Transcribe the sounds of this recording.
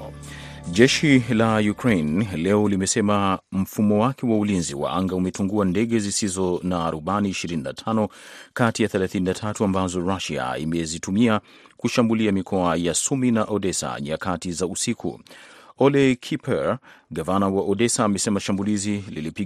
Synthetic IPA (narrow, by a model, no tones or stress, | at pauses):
ʄɛʃilajukɾejnlɛɔlimɛsɛmam̩fumɔwakɛwaulinzḭwa̰ʔaŋɡaumɛtuŋɡuandɛɠɛzisizɔnaːɾubaniːʃiɾininatʰanɔkatijaθɛlaθininatʰatuambazɔɾaʃia̰ḭmɛzitumia | kuʃambuliamikʰɔajasuminaʔɔdɛsa̰ɲiakatizausikʰṵɔlɛkʰipʰɛɹɡavanawaʔɔɗɛsaːmɛsɛmaʃambulizililipi